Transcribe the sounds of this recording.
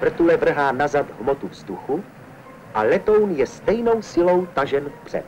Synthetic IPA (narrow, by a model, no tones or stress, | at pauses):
vr̩t̪ulɛvr̩ɦaːnazat̪ɦmot̪uvzd̪uxu | ʔalɛt̪o̞wnjɛst̪ɛjno̞wsɪlo̞wt̪aʒɛnfpr̥ɛ̰t̪̚